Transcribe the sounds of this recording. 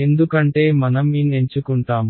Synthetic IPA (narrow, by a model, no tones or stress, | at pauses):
e̞nd̪ukɐɳʈe̞ːmɐnɐmieɲt͡ʃukuɳʈaːm